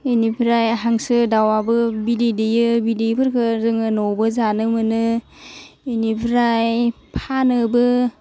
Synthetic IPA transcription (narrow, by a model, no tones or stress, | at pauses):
enipʰɾajɦaŋsɯdawabɯbidedejɯbidejpʰɯɾkʰɯɾɯŋɯnowbɯzanɯmɯnɯ | enipʰɾaj | pʰanɯbɯ